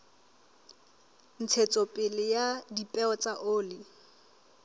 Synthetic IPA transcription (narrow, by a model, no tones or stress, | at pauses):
n̩t͡sʰet͡sʼɔpʼɪlɪjadipʼɛɔt͡sʼaʔʊːlɪ